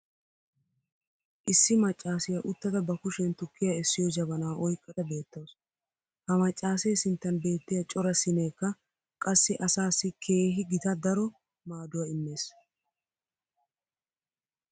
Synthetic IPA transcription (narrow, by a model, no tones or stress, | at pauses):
ʔɪsːɪmɐt͡ʃʼːaːsɪjɐʔʊt̪ːɐd̪ɐbɐkʊʃɛnt̪ʊkːɪjaɛsːɪjɔd͡ʒɐβɐnɐwʔɔjkʼːɐt̪ɐbe̞ːt̪ːɐws | hɐmɐt͡ʃʼːaːseːsɪnt̪ːɐnbe̞ːt̪ːɪjɐt͡ʃʼɔɾɐsɪneːkːɐ | kʼɐsːɪʔɐsaːsːɪkʰe̞ːɦɪɡɪt̪ɐd̪ɐɾɔ | maːd̪ʊwɐɪmːe̞ːs